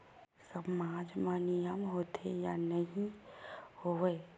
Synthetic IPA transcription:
sɐmaːd͡ʒmanijəmɦoːt̪ʰejanɐɦĩhoeː

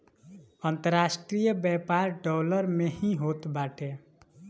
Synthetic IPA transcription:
ənt̪əɾaːsʈɾijəbɛpaːɾɖɔːləɾmehĩɦoːt̪baːʈʰe

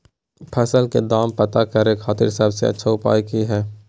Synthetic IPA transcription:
pʰəsəlked̪aːmpət̪akəɾekʰaːt̪ɪ̰ɾsɐbsḛɐ̰tːʃʰaʊpa̰ːjkiɦɛː

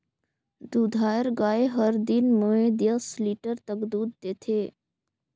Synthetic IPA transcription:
d̪ud̪ʱajəɾɡaːeɦəɾd̪inmoed̪jəsliʈəɾt̪əkd̪uːd̪̚d̪et̪ʰeː

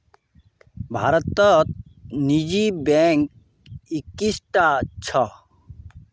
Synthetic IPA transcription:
bʱa̰ːɾət̪ːət̪̚nid͡ʒibɛŋk | ikːisʈat͡ʃʰʌ

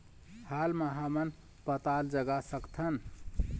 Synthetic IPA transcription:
halməɦamən | pət̪ald͡ʒəɡasəkt̪ʰən

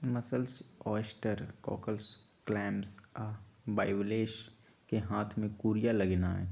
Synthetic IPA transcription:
mɐsəlsɔːsʈəɾkɔ̰ːkəls | klɛːmsabaːɪwleːʃ | keɦaːt̪ʰmẽkuːɾijaləɡnaɦɛ̰ː

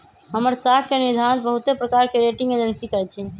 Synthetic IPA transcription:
ɦəməɾsakkeniɾd̪ʱanbəɦut̪epɾəkaɾkeɾeʈĩŋɡed͡ʒənsikəɾɛt͡ʃʰi

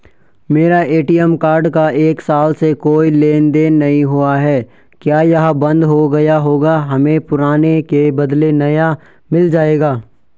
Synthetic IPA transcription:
meːɾaʔeːʈijəmkaːɾɖkaʔeːksaːlsekoːileːnd̪eːnːɐɦĩɦuaɦɛː | kjaːjɐɦabɐ̃nd̪ɦoɡɐjaɦoːɡaɦɐmẽpʊɾaːnekebɐd̪lenɐja | mɪld͡ʒaːeːɡaː

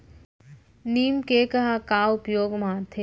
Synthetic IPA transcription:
niːmkekɐɦakaːʊpjoːɡmãt̪ʰe

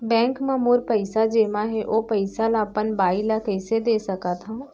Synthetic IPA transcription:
bɛ̃ːŋkmãmoːɾpəɪsad͡ʒeːmãɦɛʔoːpəɪsalaːpənbaːilakɛɪsed̪eːsəkat̪ʰãː

